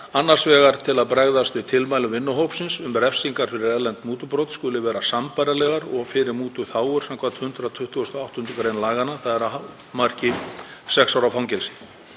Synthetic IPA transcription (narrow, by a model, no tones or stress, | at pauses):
anːaɾ̥svɛːɣaɾ̥t̪ʰɪlaðpɾɛɣðast̪vɪðt̪ʰɪlmajlʏvɪnːʏɦowpsɪnsʏmrɛfsiŋkaɾ̥fɪɾɪɾɛlɛnt̪muːt̪ʏpɾowt̪skʏlːɪvɛːɾasampajɾalɛɣaɾɔɣfɪɾɪɾmuːt̪ʏθaːwʏɾ̥samkʰvat̪hʏnt̪ɾat̪ʰʏht̪ʏɔst̪ɔawht̪ʏnt̪ʏkɾejnlaːɣanːaθaðɛɾa | mar̥cɪsɛksawɾafawŋcɛlsɪ̥